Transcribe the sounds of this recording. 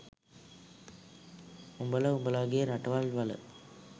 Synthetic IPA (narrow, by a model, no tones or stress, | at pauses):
ʊmbɐlɐʊmbɐlaːɣɪjɐɾɐʈːɐʋaːlʋɐlɐ̰